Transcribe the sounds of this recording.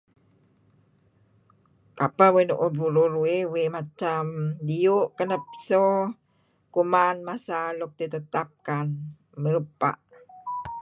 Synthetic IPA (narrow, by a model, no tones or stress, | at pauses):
kapawenuʔobuɾuɾuewemat͡ʃamdiuʔkənəpso | kumanmasaluk̚t̪it̪ət̪ap̚kan | məɾəpa̰ʔ